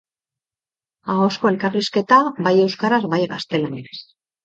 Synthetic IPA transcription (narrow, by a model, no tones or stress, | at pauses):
ao̞sko̞e̞lkariske̞t̪abaje̞wskaɾazbajɣast̪e̞lanenes